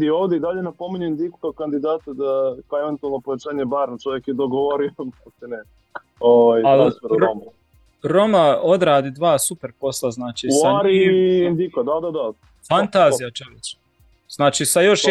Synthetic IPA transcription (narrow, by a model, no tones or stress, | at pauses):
d̪ioːʋd̪eid̪aʎenapo̞miɲuind̪ikukakand̪id̪aːt̪ed̪akeʋent̪ualnopoʋet͡ʃaːɲebaɾnat͡ʃoʋjekjed̪oɡoʋoɾioast̪ine | oʋajalfeɾuɾomu | ɾo̞mao̞d̪ɾaːd̪id̪ʋaːsupeɾpo̞slˠaznaːt͡ʃisaɲɾind̪ikad̪ad̪ad̪a | fant̪aːzijat͡ʃoʋet͡ʃ | z̥naːt͡ʃisajo̞ʃ